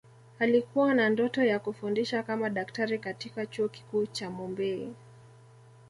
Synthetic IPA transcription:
alikuwanandɔtɔjakufundiʃakamaɗaktaɾikatikat͡ʃuɔki̥kuːt͡ʃamɔmbɛḭ

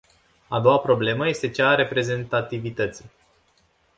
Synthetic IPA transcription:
ad̪o̞wapɾo̞ble̞məje̞st̪e̞t͡ʃaɾe̞pɾe̞ze̞nt̪at̪ivit̪ət̪si

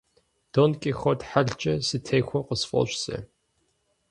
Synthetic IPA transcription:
d̥onkʼixɔdħaɮt͡ʃʼɐsɨtʰejxʷɔqəsfɔ̰ɕʷsɐ̰

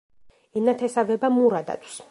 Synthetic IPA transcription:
inat̪ʰɛsavɛbamuɾad̪a̰t̪ʰʼws

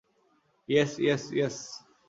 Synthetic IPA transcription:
jɛsjɛsjɛs

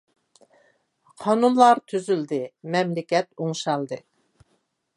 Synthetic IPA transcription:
qʰɑnunlˠɑɾt̪ʰyzyld̪ɨmɛmlɪkʲɛt̪̚uŋʃɑlˠd̪ɨ

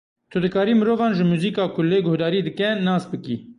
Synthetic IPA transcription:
t̪ʰʊd̪ɨkɑːɾiːmɨɾoːvɑːnʒəmuːziːkɑːkʰʊleːɡohd̪ɑːɾiːd̪ɨkɛnɑːsbɨkḭː

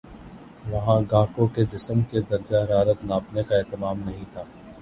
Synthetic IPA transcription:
ʋɐɦãɡaːkõked͡ʒɪsəmked̪ɐɾd͡ʒaɦɐɾaːɾət̪naːpnekaeːt̪ɪmaːmnɐɦĩt̪ʰaː

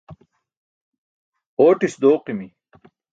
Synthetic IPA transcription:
oːʈisd̪oːqimi

